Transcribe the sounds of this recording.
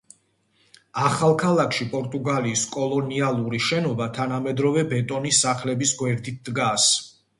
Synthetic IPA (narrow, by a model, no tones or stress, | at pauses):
aχalˠkʰalˠakʰʃipʼɔɾt̪ʼuɡaliːskʼɔlˠɔnialˠuɾiʃɛnɔbat̪ʰanamɛd̪ɾɔvɛbɛt̪ʼɔnisːaχlɛbisɡwɛɾd̪it̪̚d̪ɡas